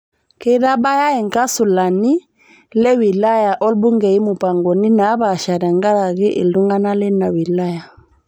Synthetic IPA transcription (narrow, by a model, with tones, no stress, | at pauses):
ke˦ɾa˦ba˦ja˦e˨ŋka˦su˨la˨ni˦ | le˦wi˨la˦ja˨ʔɔ˦lbu˦ŋɡɛ˨i˦mu˨pa˨ŋɡɔ˨ni˦na˨˦ba˨ʃa˨ɾɛ˨ŋɡa˦ɾa˨ɣi˦ʔḭ˨ldu˦ŋɡa˦na˦lɛ˦na˨wi˨la˦ja˨